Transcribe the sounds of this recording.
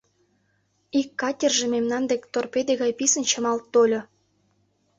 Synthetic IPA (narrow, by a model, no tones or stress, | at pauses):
ikːɑtʲerʒememnɑnd̪ekt̪orped̪eɣɑjpisənt͡ɕə̆mɑlt̪ːolʲŏ